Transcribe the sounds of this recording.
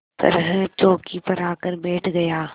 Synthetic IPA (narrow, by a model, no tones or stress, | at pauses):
t̪ɐ̰ɾɦɛ̃t͡ʃoːkipɐɾaːkəɾbeːʈʰɡɐjaː